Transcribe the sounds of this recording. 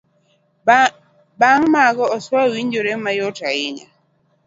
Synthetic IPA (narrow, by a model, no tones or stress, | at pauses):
baŋmaɡɔɔswawiɲd͡ʒoɾemajɔtaɪɲa̰